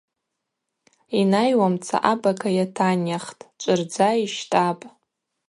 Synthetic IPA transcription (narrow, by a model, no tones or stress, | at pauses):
inajwamt͡sʰa̰ʔabakʰajatʰanaχtʼt͡ʃʷʼɨrd͡zaiʃtʼapʼ